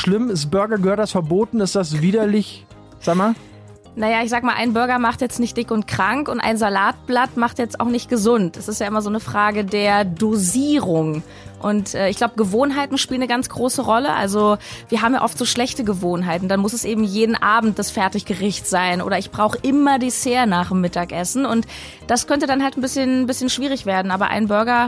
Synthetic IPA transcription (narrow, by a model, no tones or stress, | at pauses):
ʃlɪmɪsb̥ʏɐɡɐɡəhøːɐt̚d̥asfɛɐboːtn̩ɪstd̥asviːdɐlɪç | z̥aːɡma | najaːɪçz̥aːɡəmaːlʔa̰ɪnbʏɐɡɐmaχtjɛt͡stnɪçt̚d̥ɪkʊnt̚kʁ̥aŋkʊntʔa̰ɪnzalaːt̚b̥latmaχtjɛt͡staʊxnɪçt̚ɡ̥əzʊntɛsɪstjaːʔɪmɐzoːnəfʁ̥aːɡədeːɐdoziːʁʊŋ | ʔʊntʔɛːɪçɡ̥laʊbəɡəvoːnɦaɪtn̩ʃpiːlənəɡant͡sɡ̥ʁoːsəʁɔləʔa̰lzoviːɐɦaːbm̩ja̰ːʔɔftz̥oːʃlɛçtəɡəvoːnɦaɪtn̩d̥anmʊsɛsʔeːbm̩jeːdn̩ʔaːbm̩t̚d̥asfɛɐtɪçɡ̥əʁɪçtz̥aɪnʔo̰ːɾɐɪçb̥ʁaʊxəʔɪmɐdiːseːɐnaːχmːɪtaːkʔɛsn̩ʊnt | d̥askʰœntədanɦaltn̩bɪsçənbɪsçənʃv̥iːʁ̞ɪçv̥eːɐdn̩ʔaːbɐ̰ʔa̰ɪnbʏɐɡɐ